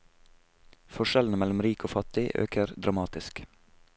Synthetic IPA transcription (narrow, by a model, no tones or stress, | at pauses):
fɔʃɛln̩əmɛlʊmɾiːkʰoːfɑt̪ɪʔø̰ːkʰəɾd̪ɾʔɑmɑːt̪ɪsk